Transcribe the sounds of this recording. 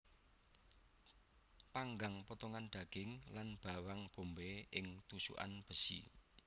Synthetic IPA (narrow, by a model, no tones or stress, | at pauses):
paŋɡaŋpət̪ɔŋanɖ̪̥ä̤ɡ̥ɪŋlanb̥a̤waŋb̥o̤mbeʔɪŋt̪usṵʔa̰nb̥ə̤sḭ